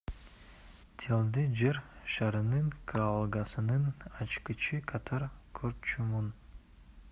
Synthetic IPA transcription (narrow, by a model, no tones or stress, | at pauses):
t̪ʰelˠd̪id͡ʒeɾʃaɾɯnɯŋkʰaalˠɡasɯnɯnɑt͡ʃkit͡ʃʰikʰɑt̪ʰaɾkʰøɾt̪̚t͡ʃʰumun